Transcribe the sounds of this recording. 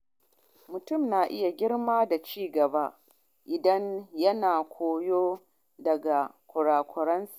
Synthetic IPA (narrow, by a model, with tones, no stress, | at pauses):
mʊ˨tʊ˦˨mnaː˨ʔɪ˦ja˨ɡʲɪ˦ɽmaː˦da˨t͡ʃiː˦ɡɐ˨ba˦ | ʔɪ˨dɐ˦ɲjɐ˦naː˨kʷʰoː˨joː˦ | dɐ˨ɡa˨kʷʊ˨ɽaː˨kʷʰʊ˨ɾɐ˦ns